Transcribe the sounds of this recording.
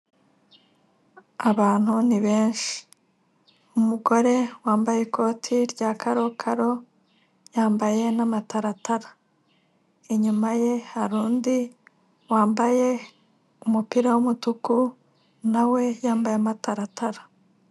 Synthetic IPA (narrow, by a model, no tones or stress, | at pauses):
aβaːn̥huniβe̞ːnʃi̥ | umuɡo̞ɾe̞waːmbajekʰo̞ːtʰiɾɟaːkʰaɾo̞kʰaɾo̞ | jaːmbaje̞namataɾataɾa | eɲumaje̞haɾuːndi | waːmbaje̞ | umupiɾawumutuku | nawe̞jaːmbajeamataɾatʰaɾa